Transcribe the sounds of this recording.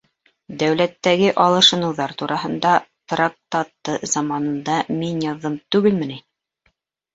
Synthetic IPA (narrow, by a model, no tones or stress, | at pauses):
d̪æwlæt̪ːæɡɘʔɑlˠɤ̆ʃɤ̆nɤ̆wðɑɾt̪uɾɑɦɤ̆nd̪ɑt̪rak̚t̪ɑt̪ːɤzɑmɑnɤ̆nd̪ɑminjɑðːɤmt̪ʉɡɘlmɘ̆ni